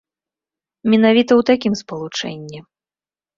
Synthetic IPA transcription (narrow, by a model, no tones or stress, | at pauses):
mʲɛnavʲit̪ɐwt̪akʲimspɐlˠut͡ʂɛ̰nʲːi